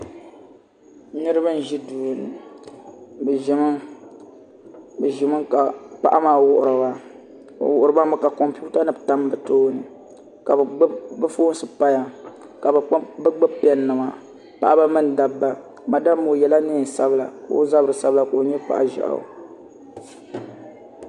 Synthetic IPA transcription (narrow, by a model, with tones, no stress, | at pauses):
nɨ˦ɾɨ˦ba˦n̩˨ʒi˦duː˨nɨ˨ | bʒɪ˨mɨ˦ | bɛ˨ʒɪ˨mɨ˦ka˨pa˦˨ʔa˦maː˨wʊ˦ʔʊ˨ɾɨ˨ba̰˦˨ | wʊ˨ʔʊ˨ɾɨ˨ba˦ma˦ka˨kɔ˨mpu˦ta˦nɨ˦bta˦m˦bɨ˨toː˦nɨ˨ | ka˨˦bɨ˦foː˦nsɨ˨pa˦ja˨ | ka˨bbɨ˦ɡ͡bɨ˦pɛ˦nːɨ˨ma˨ | pa̰˨ʔa˦ba˦mɨ˦n˨da˨bːa˦ | ma˨da˦mːo˨jɛ˨la˦neː˦˨n˨sa˦bɨ˦la̰˨ko̰˦za˦bɨ˨ɾɨ˨sa˦bla˨ka˨o˨ɲɛ˦pa̰˨ʔa̰˨ʒa̰˨ʔa̰˨